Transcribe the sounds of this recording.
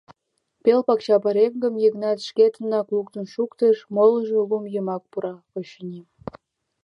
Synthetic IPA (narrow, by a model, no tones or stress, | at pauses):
pelpɑkt͡ɕɑpɑɾeŋɡəmjəɣnɑt̪ʃket̪ə̆nɑklukt̪ə̆nʃukt̪əʃmoləʒeulumjəmɑk̚puɾɑpoɕənʲi